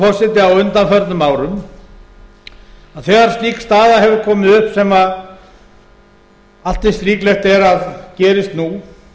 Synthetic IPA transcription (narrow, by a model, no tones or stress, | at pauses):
fɔr̥sɛt̪ɪawʏnt̪anfœɾt̪nʏmaːwɾʏm | aðθɛːɣaɾ̥st̪iːkst̪aːðaɦɛvʏɾkʰɔːmɪðʏhpsɛma | al̥t̪ɪst̪ɾiːklɛxt̪ɛɾaðcɛːɾɪst̪nu